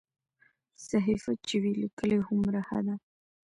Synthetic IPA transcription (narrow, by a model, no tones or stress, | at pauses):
saɦifat͡ʃewilakəlehʊmɾaha̰d̪a